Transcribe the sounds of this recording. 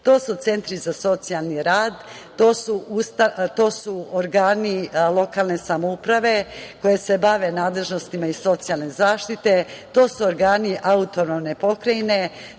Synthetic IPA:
t̪o̞ːsut̪se̞nt̪ɾizaso̞t̪sijalˠniɾaːd̪ | t̪o̞ːsuust̪at̪o̞ːsuoɾɡaːnilˠo̞kaːlˠne̞samoupɾaʋe̞ko̞je̞se̞baʋe̞naːd̪le̞ʒno̞st̪imaiso̞t̪sijalˠne̞zaːʃt̪it̪e̞t̪o̞ːsuoɾɡaːniʔaut̪o̞nomne̞po̞kɾajne̞

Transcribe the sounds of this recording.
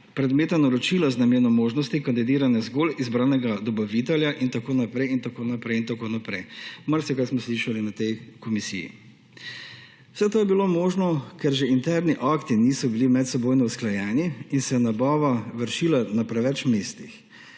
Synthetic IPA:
pɾɛd̪meːt̪anaɾɔt͡ʃilaznamjenɔmoːʒnɔst̪ikand̪id̪iːɾanɛzɡolizbɾaːnɛɡad̪ɔbaʋit̪ɛljaʔint̪akoːnapɾɛjint̪akoːnapɾɛjint̪akoːnapɾɛjmaɾsɛkajsmɔsliʃalinat̪ɛjkɔmisḭjḭ | w̥sɛt̪oːjɛbilomoːʒnɔkɛɾʒɛint̪ɛɾniʔakt̪inisɔbilimɛt̪sɛboːjnɔusklajɛːniiːnsɛnabɔːʋaʋəɾʃilanapɾɛʋɛt͡ʃmeːst̪ix

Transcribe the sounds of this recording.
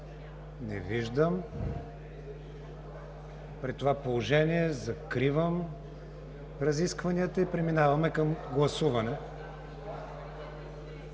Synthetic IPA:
nɛ̰viʒd̪əm | pɾit̪t̪ːovapolˠoʒɛniɛzɐkɾivəm | ɾɐziskvɐniət̪əipɾɛminavɐmɛkɐmɡlˠɐsuvɐnɛ

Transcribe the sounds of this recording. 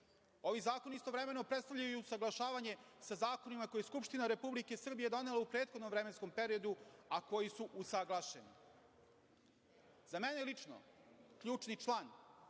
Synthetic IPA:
o̞ʋizaːko̞nist̪o̞ʋɾeme̞nopɾet̪st̪avʎʲajujuusaɡlˠaʃaːʋaɲe̞sazaːko̞nimako̞jeskupʃt̪inaɾe̞publike̞sr̩bije̞d̪o̞ne̞laupɾeːt̪xod̪no̞mʋɾemensko̞mpe̞ɾio̞d̪uako̞jisuʔusaɡlˠaʃenḭ | zamenelit͡ʂno̰kʎuːt͡ʂnit͡ʃlˠaːn

